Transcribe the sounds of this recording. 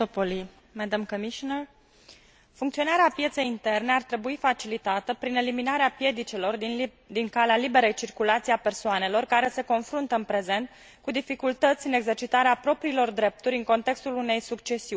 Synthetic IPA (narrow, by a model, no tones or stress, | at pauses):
opoli | med̪amkomiʃonər | fuŋkt̪sio̞naɾeapje̞t̪se̞jint̪e̞rne̞art̪ɾe̞buifat͡ʃilit̪at̪əpɾine̞liminaɾeapje̞d̪it͡ʃelo̞r | d̪iŋkalealibe̞ɾejt͡ʃirkulat̪siape̞rsoane̞lo̞rkaɾe̞se̞ko̞nfɾunt̪əɨnpɾe̞ze̞nt̪ | kud̪ifikult̪ət̪sʲɨne̞ɡze̞rt͡ʃit̪aɾeapɾo̞pɾiːlo̞rd̪ɾe̞p̚t̪uɾʲɨŋko̞nt̪e̞kst̪ulune̞jsukt͡ʃe̞siu